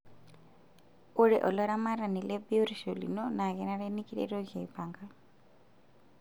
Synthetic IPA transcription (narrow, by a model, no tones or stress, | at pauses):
oɽɛʔɔlɔɾamaɾanilebioɾisolḭnɔnaɣɛnaɾenikiɾḛɾoɡʱajpaŋɡa